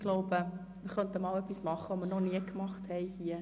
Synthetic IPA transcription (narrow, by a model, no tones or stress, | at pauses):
ɡ̥loʊbə | məɾχœntəmɑːlœpːismɑχəomənɔχniəkmɑχthɛɪhiə